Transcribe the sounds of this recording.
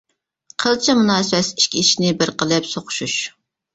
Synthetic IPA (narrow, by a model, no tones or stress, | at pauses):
qʰəlˠt͡ʃʰɪmunɑːsɨwɛsi̥ʃkʲʰiiʃinɪbɪɾqʰəlˠɨpsoqʊ̥ʃuʃ